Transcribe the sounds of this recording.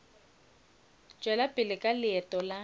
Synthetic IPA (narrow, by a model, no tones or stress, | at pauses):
t͡ʃʼwɛlapʼɪlɪkʼalɪɛtʼɔla